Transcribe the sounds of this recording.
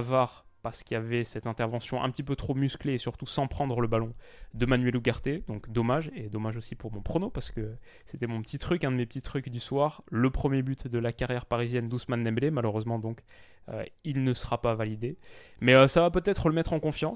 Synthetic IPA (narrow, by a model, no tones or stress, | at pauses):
vaʁ | paʁsə̥kiavɛsɛt̪ɛ̃t̪ɛʁvɑ̃sjɔ̃ʔɛ̰̃pət̪ipøt̪χomyskleːsyʁt̪usɑ̃pχɑ̃d̪ʁələbalɔ̃ | d̪əmanɥɛluɡaʁt̪ed̪ɔ̃kd̪ɔmaʒed̪ɔmaʒosipuʁmɔ̃pχonopaʁsə̥kə | set̪ɛmɔ̃pət̪it̪χykɛ̃d̪əmepət̪it̪χykd̪yswaʁləpχəmjebyt̪d̪əlakaʁjɛʁpaʁizjɛnd̪usmanːɛblemaløʁøzmɑ̃d̪ɔ̃k | ø̰ilnəsə̥ʁapavalid̪e | mɛøsavapøt̪ɛt̪χələmɛt̪χɑ̃kɔ̃fjɑ̃